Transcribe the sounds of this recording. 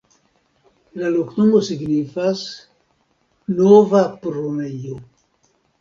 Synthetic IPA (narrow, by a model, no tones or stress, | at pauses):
laluknumosiɡnifas | novapɾomejo